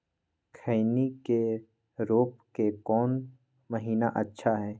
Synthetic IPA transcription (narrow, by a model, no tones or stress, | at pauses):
kʰəɪnike | ɾoːpkekɔːn | mɐɦiːnaʔɐtːʃʰaɦɛː